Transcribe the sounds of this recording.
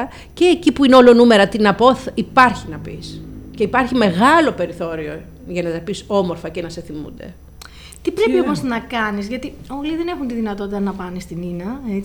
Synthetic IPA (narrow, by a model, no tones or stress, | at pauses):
ɐ | ce̞ːcipuineo̞lo̞nume̞ɾɐt̪inɐpoθipɐɾçinɐpḭsce̞ipɐɾçime̞ɣɐlo̞pe̞ɾiθo̞ɾio̞ | ʝɐnɐt̪ɐpiso̞mo̞ɾfɐcenɐse̞θimṵnd̪e̞̰ | t̪ipɾe̞piomo̞znɐkɐnizʝɐt̪i | oɣliðene̞xunt̪iðinɐt̪o̞t̪it̪ɐnɐpɐnest̪ininɐe